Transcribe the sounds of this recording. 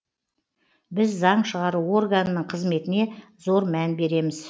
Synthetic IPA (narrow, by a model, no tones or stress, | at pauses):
bɪzːɑɴʃəʁɑɾuo̞rɡanənəɴqʰəzme̞t̪ɪne̞zo̞ɾmænbe̞ɾe̞mɪz